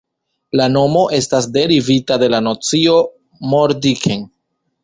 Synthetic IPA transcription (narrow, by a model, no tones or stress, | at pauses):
lano̞mo̞ʔe̞stasde̞ɾivitade̞lanot͡sio̞ | moɾdikʰen